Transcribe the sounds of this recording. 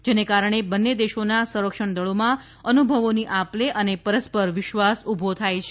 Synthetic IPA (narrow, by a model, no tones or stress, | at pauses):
d͡ʒenekaɾəɳ̃ebənːed̪eʃonasə̃ɾəkʃəɳd̪əɭomã | ənubʱəʋoniʔapleʔənepəɾəspəɾʋɪʃʋasubʱot̪ʰajt͡ʃʰe